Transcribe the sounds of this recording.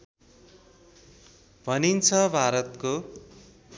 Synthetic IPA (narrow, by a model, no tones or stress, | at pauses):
bʱʌnint͡sʰʌbʱaɾʌt̪ko